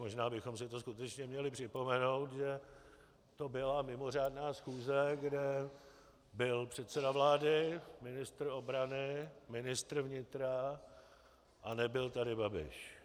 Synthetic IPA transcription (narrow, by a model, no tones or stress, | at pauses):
mo̞ʒnaːbɪxo̞msɪt̪o̞skut̪ɛt͡ʃɲɛmɲɛlɪpr̥ɪpo̞mɛno̞wt̪ʒɛ | t̪o̞bɪlamɪmo̞r̝aːdnaːsxuːzɛɡdɛ | bɪlpr̝̥ɛt̪sɛdavlaːdɪmɪnɪst̪r̩o̞bɾanɪmɪnɪst̪r̩vɲɪt̪ɾa | ʔanɛbɪlt̪adɪbabɪ̰ʃ